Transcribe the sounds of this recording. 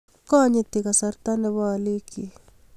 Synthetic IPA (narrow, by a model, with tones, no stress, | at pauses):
kɔ˦ɲɪ˦t̪ɪ˨ka˨sa˨ɾt̪a˦nɛ˨βɔ˦a˨li˦ki˨